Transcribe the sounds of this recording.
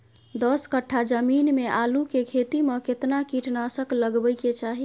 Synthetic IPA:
d̪əskəʈʰːad͡ʒəminmeʔaːlũkekʰet̪imə̃ket̪nakiʈnasəkləɡbəjket͡ʃaɦi

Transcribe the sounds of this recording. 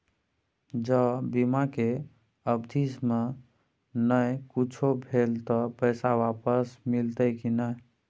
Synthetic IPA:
d͡ʒəbimake | əbd̪ʱisme | nəjkut͡ʃʰobʱelt̪ɔpəɪsawapəsmilt̪əkinəj

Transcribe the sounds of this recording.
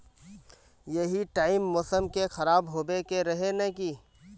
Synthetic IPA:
jɐɦiʈaːɪmːɔːsəmkexɐɾaːbɦoːbekeɾɐɦenɐki

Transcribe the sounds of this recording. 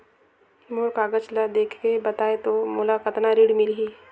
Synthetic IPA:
moɾkaːɡət͡ʃlad̪eːkʰkebɐt̪aːet̪omʊlakət̪naɾiːɽmɪlɦiː

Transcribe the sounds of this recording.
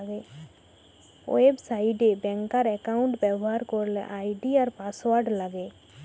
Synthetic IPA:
ɡe | o̰ebsaiɖebɛ̃ŋkaɾɛkaʊɳʈbɛbɦaɾkɔɾlḛʔajɖiaɾpaswaɾɖlaɡe

